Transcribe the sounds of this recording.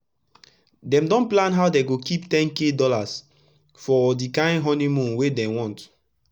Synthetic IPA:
dɛ̃mdɔ̃nplãnɦawdeɡokiptɛ̃nkedɔlas | fɔdikãɪ̃nɦɔ̃nĩmũnwedɛ̃wɔ̃nt

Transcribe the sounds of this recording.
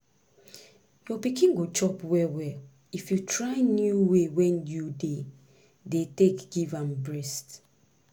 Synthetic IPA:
jɔpikĩnɡot͡ʃɔpwɛwɛl | ifjutʰɹaɪnjuwewɛ̃njude | detekɡivãmbɹɛst

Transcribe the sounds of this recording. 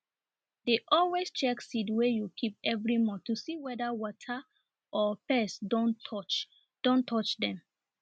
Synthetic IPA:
deʔɔlwest͡ʃɛksidwejukʰip̚ɛvɹimɔtusiwɛdawɔtʰa | ʔɔpɛsdõnʰɔt͡ʃ | d̥õntʰɔt͡ʃdɛ̃m

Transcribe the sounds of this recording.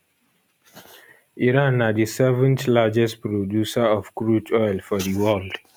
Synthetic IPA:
iɹãnadisɛvə̃ntlad͡ʒɛst̚pɹodjusəɔfkɹutɔjlfɔðiwɛld̥

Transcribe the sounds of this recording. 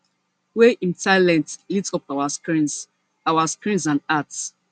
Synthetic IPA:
weʔĩntʰaɪlɛ̃ntlitsɔpawaskɹĩns | awaskɹĩnsãnats

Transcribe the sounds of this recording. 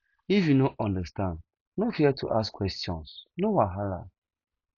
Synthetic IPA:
ifjunoʔɔ̃ndəstãnd | nofiɛtʰṵʔaskwɛstjɔ̰̃nsnowaɦala̰

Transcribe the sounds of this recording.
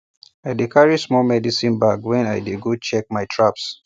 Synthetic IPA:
ajdikʰaɹismɔmɛdisĩnbaɡwɛ̃najdeɡut͡ʃɛk̚majtʰɹaps

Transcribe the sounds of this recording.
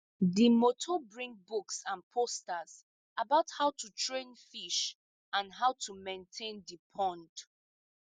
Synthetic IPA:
dimotʰobɹĩŋ̚buksãnpʰostaz | abaʊthaʊtʰutʰɹẽnfiʃ | ãnɦaʊtʰumẽntʰẽndipʰɔ̃nd

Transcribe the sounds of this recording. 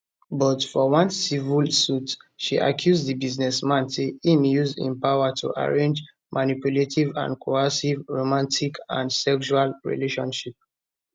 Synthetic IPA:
bɔtfɔwãnsivulsutʃiʔa̰kʰjuzdibiznɛsmãnseĩmjuzḭ̃npawatʰṵʔa̰ɹẽnd͡ʒ | mʔanipjuletʰivã̰ndkʰoasivɹomãntʰikʰã̰ndsɛkʃualɹḭleʃɔ̰̃nʃip̚

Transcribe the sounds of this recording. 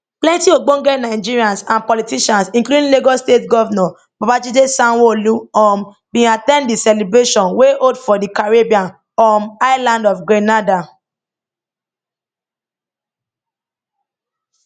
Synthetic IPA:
plɛ̃ntioɡ͡bõɡɛnaɪd͡ʒiɹiãnsãnpɔlitiʃãnsĩŋkludĩleɡɔstetɡɔvanɔ̃ | bɔpad͡ʒidesãnwoluɔ̃m | bĩatɛ̃nddisɛlebɹeʃɔ̃nweʔodfɔdikaɹebiãn | ɔmaɪlãndɔfɡɹɛnada

